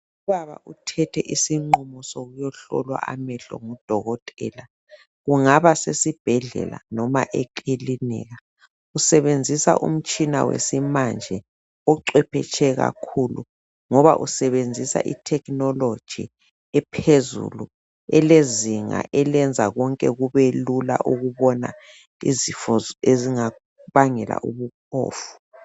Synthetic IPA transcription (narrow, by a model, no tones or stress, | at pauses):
uβaβa̰ʔutʰɛtʰɛʔisiŋ͡ǃumɔsoɣujɔɬɔ̰lwa̰ʔamɛɬɔ̰ŋud̥ʱɔɣɔtʼɛːla | ɣuŋaβasesib̥ʱɛɮɛ̰la̰nɔmaʔekʼilinɛ̰ːɣa | usɛβend͡zʱisa̰ʔṵm̩t͡ʃʼʰina̰wḛsimand͡ʒʱɛ | ɔǀwɛpʰɛ̰t͡ʃʰʼɛɣa̰kʰulu | ŋɔβa̰ʔusɛβend͡zʱisa̰ʔḭtʰɛkʼnɔlod̥ʒ̥ʱḭ | ɛpʰezṵlu | ɛleziŋa̰ʔɛlɛnd͡zʱaɣɔŋkʼɛɣuβelula̰ʔuɣuβɔna̰ | ḭzifɔzeziŋa | βaŋɛla̰ʔuβukʰɔ̰ːfu̥